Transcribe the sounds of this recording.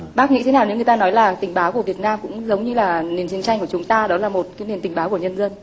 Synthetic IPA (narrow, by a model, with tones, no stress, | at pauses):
ɓaː˦˥k̚ŋḭ˧˥t̪ʰe˨˦naː˨˩wne˨˦ŋɨ˨˩t̪aː˧nɔ˨˦jlaː˨˩t̪ï˨˩ŋ̟ɓaː˨˦wku˧˩əvi˨˩ət̚naː˧mkʊ̰˧˥ŋ͡mzə˨˦wŋ͡mɲɨ˧laː˨˩ne˨˩nt͡ɕi˧˦ənt͡ɕa˧jŋku˧˩ət͡ɕʊ˨˦ŋ͡mt̪aː˧ɗɔ˨˦laː˨˩mo˨˩t̚kaː˨˦jne˨˩nt̪ï˨˩ŋ̟ɓaː˨˦wku˧˩əɲə˧nzə˧n